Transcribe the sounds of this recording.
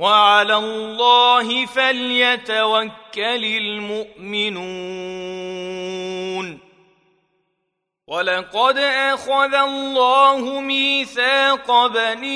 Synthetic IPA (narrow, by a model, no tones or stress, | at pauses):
waʕalalˤːɑːɦɪfaljat̪awakːalɪlmʊʔmɪnu | n | walɑqɑd̪ʔaxaðalːɑːhʊmiːθaːqɑbani